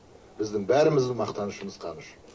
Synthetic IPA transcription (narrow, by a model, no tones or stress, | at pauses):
b̥ɪzd̪ɪŋbæɾɪmɪzd̪ɪmɑqt̪ɑnəʃəməzqʰɑnəʃ